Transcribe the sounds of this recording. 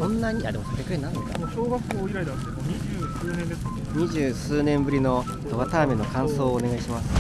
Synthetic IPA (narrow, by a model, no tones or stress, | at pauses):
sõ̞nːaɲ̟iad̪e̞mosoɾʲekɯ̟enːanekaɕoːɡakːoːiɾaid̪ | eoɲiʑɨːsɨːnẽnd̪eska | ɲ̟iʑɨːsɨːnẽ̞mbɯ̟ɾʲino̞ | d̪oβat̪aːmʲino̞kãɰ̃so̞ːne̞ɡaiɕimasɨ̥